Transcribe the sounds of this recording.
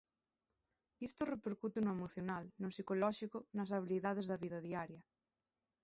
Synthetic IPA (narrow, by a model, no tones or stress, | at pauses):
ist̪orepeɾkut̪enoemoθjonalnosikolɔʃikonɐs̬aβ̞iliðað̞ezðaβiðaðiaɾjɐ